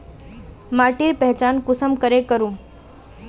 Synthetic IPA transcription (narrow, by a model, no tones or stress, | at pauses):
maːʈiɾpɛɦt͡ʃaːnkʊsəmkəɾekəɾũː